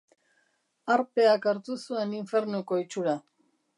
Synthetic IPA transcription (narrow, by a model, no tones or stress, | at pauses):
aɾpe̞akaɾt̪usue̞niɱfe̞ɾnuko̞it͡ʃuɾa